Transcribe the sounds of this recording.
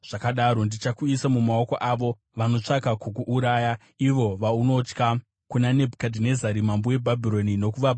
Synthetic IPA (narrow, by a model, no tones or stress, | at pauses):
ʐ̥akaɗaɾo̞ndit͡ʃakuisamumaoko̞ʔaʋo̞ | ʋano̞t͡ʂakakukuʔːɾaːja | iʋo̞ʋauno̞t͡ʃka | kunane̞bʱkadʱine̞zaɾimambowe̞bʱabʱiɾo̞nino̞kuʋab